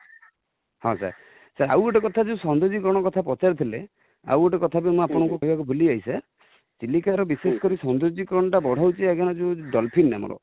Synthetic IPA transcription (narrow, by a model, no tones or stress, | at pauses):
hɔ̰̃sa̰ɾ | saɾa̰weʈɔkɔt̪ʰad͡ʒeũsɔnd̪ud͡ʒikɔɾɔɽ̃ɔkɔt̪ʰapɔt͡ʃaɾt̪ʰile | a̰weʈɔkɔt̪ʰabimũapɔɽ̃ɔŋkukɔɦibakubʱuliajsaɾ | t͡ʃilikaɾɔbisesɔ̥kɔɾisɔnd̪ud͡ʒikɔɾɔɳ̃ɔʈabɔɽ̤awt͡ʃʰiaɡañɔd͡ʒeũɖɔlpʰinna̰mɔ̰ɾɔ̰